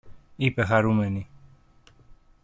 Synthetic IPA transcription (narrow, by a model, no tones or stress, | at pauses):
ipexaɾumeni